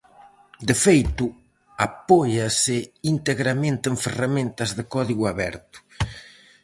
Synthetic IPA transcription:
d̪efejt̪ʊ | apɔjɐsɪint̪eɣɾamẽnt̪eɱferamẽnt̪ɐzðɪkɔðiɣuaβɛ̰ɾt̪ʊ̥

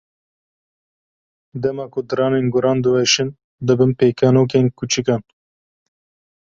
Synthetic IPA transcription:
d̪ɛmɑːkʊd̪ɨɾɑːnenɡʊɾɑːnd̪ɨwɛʃin | d̪ɨbɨnpeːkʰanoːk̬enkʰut͡ʃikɑn

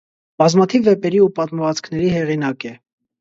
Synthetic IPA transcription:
b̥ɑzmɑt̪ʰivːɛpɛɾiupɑt̪məvɑt͡skʰnɛɾihɛʁinɑkɛ

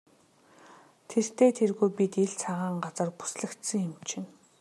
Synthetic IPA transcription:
t̪ʰer̥t̪ʰeːt̪ʰerɣuːpʲit̪iɮt͡sʰaʁaːɴɢat͡sə̆rpu̥sɮɘ̆kt̪sə̆ŋjʊmt͡ɕʰɪ̆n

